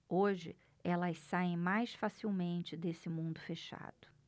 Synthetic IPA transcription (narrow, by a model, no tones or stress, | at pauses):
oʒɪ̰ | ɛlɐssaẽj̃majsfasiwmẽnt͡ʃɪd̪esɪmũnd̪ʊfeʃa̰d̪ʊ̥